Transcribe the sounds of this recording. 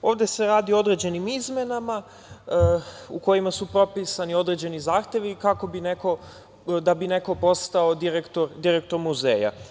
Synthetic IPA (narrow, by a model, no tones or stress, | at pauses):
o̞ːʋd̪e̞se̞ɾaːd̪iood̪ɾe̞d͡ʑe̞nimizmje̞nama | uko̞imasupɾo̞pisanio̞d̪ɾe̞d͡ʑe̞nizaːxt̪je̞ʋikako̞bine̞ko̞ | d̪abine̞ko̞po̞st̪aod̪iɾekt̪o̞ɾd̪iɾek̚t̪o̞ɾmuze̞̰ːja̰